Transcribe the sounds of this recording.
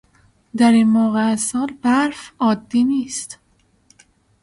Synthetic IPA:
d̪æɾinmoːɣeæzɒːlbæɾfɒːd̪ːiːniːst̪

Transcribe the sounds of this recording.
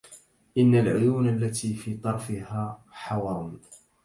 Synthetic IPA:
ʔɪnːalʕʊjuːnalːat̪iːfiːt̪ˤɑɾˤfɪɦaːħɑwɑɾˤʊn

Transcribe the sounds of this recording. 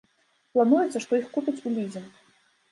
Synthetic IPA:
plˠanujɛt̪sːɐʂt̪ɔixkupʲit͡sʲulʲid͡zʲɛn

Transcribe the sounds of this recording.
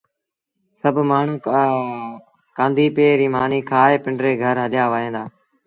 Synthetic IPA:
səbʱmaːɳ̤ũː | kãːnd̪ʱiːpeːɾiːmaːniːkʰaːɦeːpɪɳɖɾeːɡʱəɾɦəlɪjaːʋaːɦẽːnd̪aː

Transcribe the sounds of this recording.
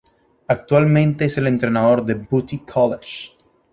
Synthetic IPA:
ak̚t̪walmẽ̞nt̪e̞eselent̪ɾenaðo̞ɾðe̞but̪ikʰɔlet͡ʃ

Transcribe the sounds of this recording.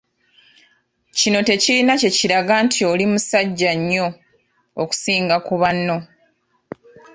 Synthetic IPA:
cino̞te̞cilinace̞ciɾaɡaːntʰio̞limusaɟːaɲːo̞ː | ku̥siːŋɡakuβanːo̞

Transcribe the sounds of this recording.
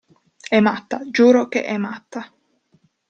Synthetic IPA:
ɛmat̪ːad͡ʒuːɾokḛʔɛmat̪ːa

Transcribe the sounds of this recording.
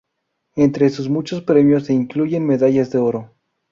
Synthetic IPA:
e̞nt̪ɾesuzmut͡ʃospɾe̞mjosːeiŋkluʝe̞nme̞ðaʝazðe̞oɾo

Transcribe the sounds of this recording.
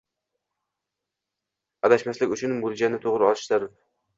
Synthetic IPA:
ad̪aʃmaslɪkʲʊt͡ʃʰʊnbolˠd͡ʒannːɪt̪ʰoʁɾɪɒlˠɪʃzaɾɪ

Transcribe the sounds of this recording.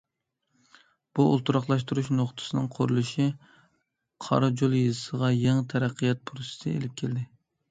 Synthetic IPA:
b̥uṵlˠt̪uɾɑχlˠɑʃt̪uɾuʃnoχt̪ʰɨ̥sɨnɨŋqʰoɾulˠɨʃi | qʰɑ̰ɾɨd͡ʒolˠjɨzɨsəʁɑjeŋt̪ʰɛɾæqʰːijɑt̪̚pʰɾosɪ̥t̪ɪḛlɪp̚kʲʰeld̪ɪ

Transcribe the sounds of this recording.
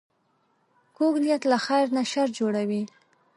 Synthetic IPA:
koɡlijat̪laxajɾnaʃaɾd͡ʒoɽawi

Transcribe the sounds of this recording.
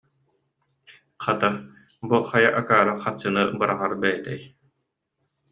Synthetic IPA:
χat̪a | buχajaʔakaːɾaχat͡ɕːɯnɯbɯɾaʁaɾbɛjɛt̪ɛj

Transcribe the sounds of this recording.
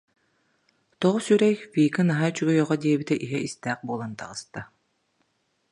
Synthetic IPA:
t̪ɔʁsyɾɛjfiːkɯnaɦajt͡ɕyɡœjœʁɔd̪iɛbit̪ɛʔiɦɛist̪æːq̚buɔlˠant̪a̰ʁɯst̪a

